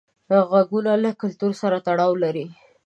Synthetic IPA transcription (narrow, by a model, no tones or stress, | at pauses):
ɣaɡunalakʊlt̪uɾsaɾat̪aɽɑwlaɾi